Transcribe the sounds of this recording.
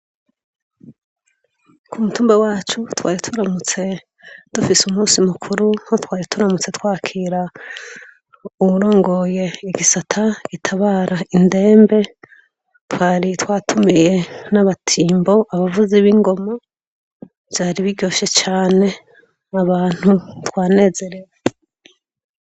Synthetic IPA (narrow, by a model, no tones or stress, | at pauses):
kumutuːmbawaːt͡ʃutwaːɾitʰuɾamut͡se̞ | d̥ufisumuːsimukʰuɾuhotwaːɾitʰuɾamut͡se̞twaːkʰiɾa | uuɾo̞ːŋɡo̞je̞iɡisatʰaɡ̥itʰaβaːɾainde̞ːmbe̞ | twaːɾitwaːtʰumije̞naβatʰiːmbo̞ʔaβavuziβiŋɡo̞ma | z̥aːɾiβiɟo̞ːʃe̞t͡ʃaːne̞ | aβaːn̥hutwaːne̞ːze̞ɾe̞we